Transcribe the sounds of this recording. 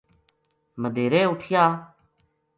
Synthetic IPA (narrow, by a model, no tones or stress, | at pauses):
məd̪ʱeːɾeːʊʈʰɪjaː